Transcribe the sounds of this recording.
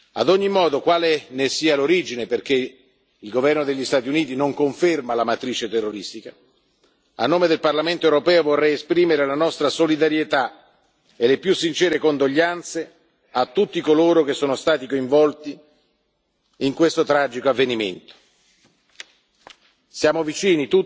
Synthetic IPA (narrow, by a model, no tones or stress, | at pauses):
a̰d̪ɔɲːimɔːd̪okwaːlenesiːaloɾid͡ʒineperk̟e | ilɡovɛrnod̪eʎːist̪aːt̪iuniːt̪inoŋkoɱfermalamat̪ɾiːt͡ʃet̪erːoɾist̪ika | a̰nːoːmed̪elparlament̪oewɾopɛːovorːɛjespɾiːmeɾelanɔst̪ɾasolid̪aɾjet̪a | elepjusːint͡ʃɛːɾekond̪oʎːant̪se | at̪ːut̪ːikoloːɾok̟esːoːnost̪aːt̪ikoiɱvɔlt̪i | ŋkwest̪ot̪ɾad͡ʒikoavːenimḛnt̪o̥ | sjaːmovit͡ʃiːnit̪u